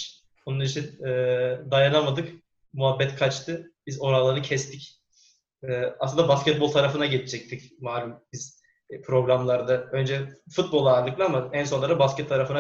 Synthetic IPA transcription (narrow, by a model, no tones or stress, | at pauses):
bununit͡ʃʰinɛːd̪ajanamad̪ɯk | muɦabːɛt̪kʰat͡ʃt̪ʰɯb̥izo̞ɾalˠaɾnɯcʰɛst̪ʰic | ɛːaslɯnd̪abaskʲɛt̪̚bo̞lˠt̪ʰaɾafɯnaɟe̞lʰid͡ʒɛc̚t̪ʰicmaːlʲumbiz̥ | pʰɾo̞ɡɾamlˠaɾd̪aø̞nd͡ʒɛfut̪̚bo̞lˠaːɾlˠɯklˠaamaɛns̬o̞nlˠaɾabascɛt̪ʰːaɾafɯna